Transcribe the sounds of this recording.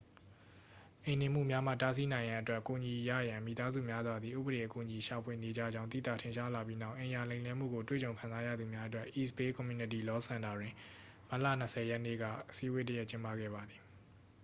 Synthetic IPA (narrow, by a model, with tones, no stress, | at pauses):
ʔẽ˨ɪ̃nẽ˨m̥ṵ˦˨mja˦m̥ä̰˦˨ta˦s̬i˦nã˨ɪ̃jã˨ʔətwɛ˦ʔku˨ɲi˨ja̰˦˨jã˨mḭ˨t̪a˦zṵ˦˨mja˦zwa˨d̪i˨ʔṵ˦˨bəɾe˨ʔəku˨ʔəɲi˨ʃa˨pʰwe˨ne˨d͡ʑä̰˦˨d͡ʑã˦t̪ḭ˦˨t̪ä̰˦˨tʰẽ˨nʃa˦la˨pji˦na˦˨ʊʔɪ̃˨ja˨lẽ˨ɪ̃lɛ̃˦m̥ṵ˦˨ɡo˨twḛ˦˨t͡ɕõ˨ʊ̃kʰã˨za˦jä̰˦˨d̪u˨mja˦ʔətwɛ˦ʔi˨spe˦kɔ̃˨mju˨˦nɪ˦˨ti˨lɔ˦sã˨nda˨dwɪ̃˨ | m̥a˦ʔlä̰˦˨n̥əsʰɛ˨jɛ˦ʔnḛ˦˨ɡä̰˦˨ʔəsi˦we˦tə˦jɛ˦ʔt͡ɕɪ̃˦mpa˦˨ɡɛ̰˦˨ba˨d̪ði˨